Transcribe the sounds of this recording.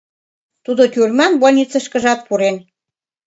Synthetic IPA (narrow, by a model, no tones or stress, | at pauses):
t̪ud̪ot̪ʲyrmɑnβolʲnʲit͡sə̆ʃkə̆ʒɑt̪̚puɾen